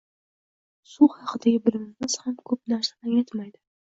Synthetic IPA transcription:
suhɑqʰɨd̪aɡʲɪbɪɾɪmɪmɪz̥hamkʰɵpnaɾsḁaŋet̪majd̪ɪ

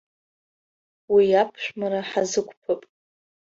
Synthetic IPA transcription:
wiapʰʃʷᶣmaɾaħazɨkʷʰʼpʰɨpʼ

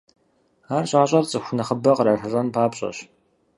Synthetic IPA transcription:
aːrɕʼaːɕʼɐrt͡sʼɨxʷʊnɐχəbɐqraɬɐɕʼɐnpʰaːpɕʼɐ̰ɕ

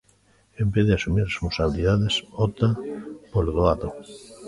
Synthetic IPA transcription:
embeðeasumiɾrespõnsaβiliðaðesot̪apoloðoaðo

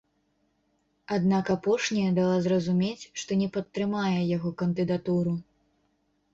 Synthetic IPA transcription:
ad̪nakapɔʂnʲɐjɐd̪alˠazrɐzumʲet͡sʲʂt̪ɔnʲɛpɐt̪ːɾɨmajɛjaɣɔkɐnd̪ɨd̪at̪uɾu

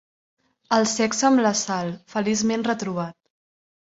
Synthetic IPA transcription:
əlˠsɛksəmləsalˠfəlizmenrət̪ɾuβ̞at̪̚

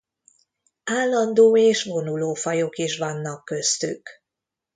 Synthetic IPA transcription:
aːlːɒnd̪oːeːʃʋo̞nuloːfɒjokiʃʋɒnːɒkːø̞st̪y̰k

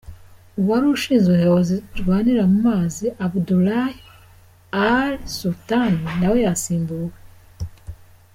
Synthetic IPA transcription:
uβaɾuʃiːnzuɦewoziɾɡwaːniɾamumaːziʔabdulahi | aɾsultaninawejasiːmbuwe

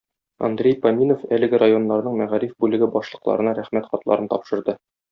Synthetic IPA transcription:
ɒ̰nd̪ɾʲejpɐmʲinofælɘ̆ɡɘɾajo̞nːɑɾnɤɴmæʁæɾifbʉlɘ̆ɡɘbɒʃlˠɤ̆qlˠɑ̰ɾɤ̆nɑɾæχmæt̪χɒt̪lˠɑ̰ɾɤnt̪ɒpʃɤ̆ɾd̪ɤ

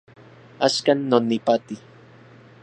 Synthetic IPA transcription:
askanːonipat̪i

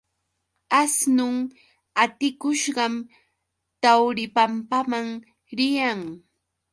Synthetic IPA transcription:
asnʊŋ | at̪ɪkʊʃɢɑm | t̪awɾɪpampamaŋ | ɾɪjaŋ

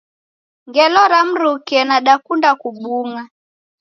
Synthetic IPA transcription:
ŋɡɛlɔɾam̩ɾukɛnaɗakundakuɓuŋa

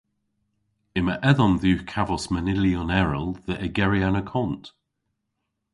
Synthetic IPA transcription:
ɪməʔɛðɔnðʉːkʰavɔsmənɪliɔnɛɹəlˠðəʔəɡɛɹianəkʰɔnt

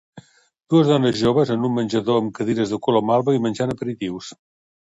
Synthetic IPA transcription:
d̪̥uəzðɔnəzʒoβəzənumːənʲʒəðoəmkəðiɾəzðəkolomalˠβəimənʲʒanəpəɾit̪iws

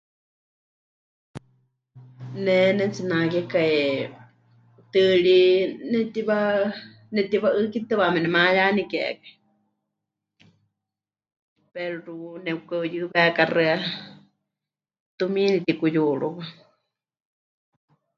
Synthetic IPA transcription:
nɛnɛt͡sɨnakɛkae | t̪ɨɺinɛt̪iβa | nɛt̪iβaʔɨkit̪ɨβamɛnɛmajanikɛ̰kai | pɛɾɾunɛukajɨβɛkarɨa | t̪umilit̪ikujuɺuβa

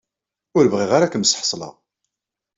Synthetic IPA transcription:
ʊɾəvʁiʁaɾakəmsħə̥sˤlɑ̰

